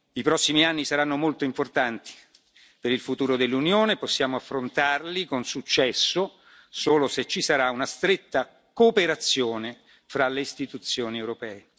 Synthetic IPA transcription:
ipɾɔsːimianːisaɾanːomolt̪oimport̪ant̪i̥ | peɾilfut̪uːɾod̪elːunjoːneposːjaːmoafːɾont̪arlikonsut͡ʃːɛsːo | soːloset͡ʃːisaɾaunast̪ɾet̪ːa | koːpeɾat̪sːjoːne | fɾalːeist̪it̪ut̪sːjoːniewɾopɛːe

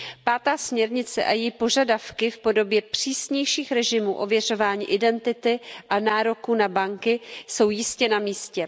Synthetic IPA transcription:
paːt̪aːsmɲɛɾɲɪt͡sɛ̰ʔajɛjpo̞ʒadafkɪfpo̞do̞bjɛpr̝̥iːsɲɛjʃiːxɾɛʒɪmuːʔovjɛr̝o̞vaːɲḭːʔɪdɛnt̪ɪt̪ɪʔanaːɾo̞kuːnabaŋkɪso̞wjɪscɛnamiːscɛ

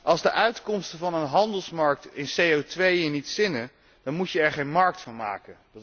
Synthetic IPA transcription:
ʔɑlˠzdəʔœɥtkɔmstəvɑnənɦɑndəlˠsmɑɹk̚tɪnsejowtʋejənitsɪnə | d̥ɑnmucjəɛɹχejnmɑɹk̚tfɑnma̰ːkənd

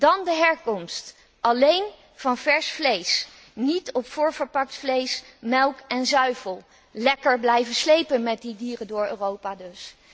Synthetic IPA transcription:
d̥ɑndəɦɛɹkɔmst | ʔɑlejn | v̥ɑnvɛɹsflejs | nitɔpfʊːɹvəɹpɑk̚tflejsmɛlˠkɛnzœɥvəlˠ | lɛkəɹblɛjvəslejpənmɛt̚didiːrəndʊːɹø̰ːrowpaːdɵs

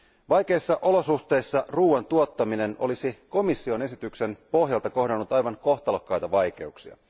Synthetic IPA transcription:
ʋɑjk̟e̞jsːɑʔo̞lo̞suxt̪e̞jsːɑruːɑnt̪uot̪ːɑmine̞no̞̰lisiko̞misːio̞ne̞sit̪ykse̞npo̞ɦjɑlt̪ɑko̞ɦdɑnːut̪ɑjʋɑŋko̞xt̪ɑlokːɑjt̪ɑʋɑjk̟e̞uksiɑ̰

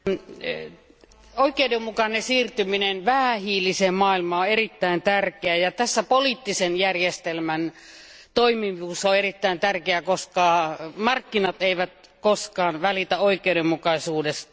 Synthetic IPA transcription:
oikˑeudemːukɑnesiːrt̪yminenʋæhæhiːlisemmɑːilmɑoerit̪ːæint̪ærkeæjɑt̪æsːæpoliːt̪ːisenjærjest̪elmæn | t̪oimiʋuːsːɑoerit̪ːæint̪ærkeækoskɑːmɑrkːinɑt̪eiʋæt̪ | koskɑːnʋælit̪æoikˑeudemmukɑisuːdes

